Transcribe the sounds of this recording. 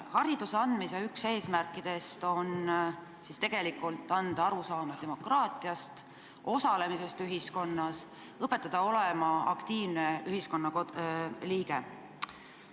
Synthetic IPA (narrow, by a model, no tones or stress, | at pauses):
hɑɾid̪̥useɑnd̪̥misɑykse̞ːsmærkːˑid̪̥e̞st̪o̞n | sist̪eɡ̥e̞likːˑult̪ˑːɑnd̪̥ɑɑɾusɑːmɑd̪̥e̞mo̞krɑːt̪ˑiɑst̪ | ʔo̞sɑle̞mise̞st̪yɦisko̞nːɑs | ɤpːˑe̞t̪ːˑɑd̪̥ɑo̞le̞mɑɑ̰kt̪iːvne̞yɦisko̞nːɑkoliːɡe̞